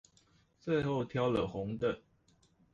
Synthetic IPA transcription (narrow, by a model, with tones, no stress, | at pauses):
t͡swe˥˧ɪxo˥˨ʊt̪ʰjɑ˦ʊlə˨xʊ˨˧˦ŋd̪ə˨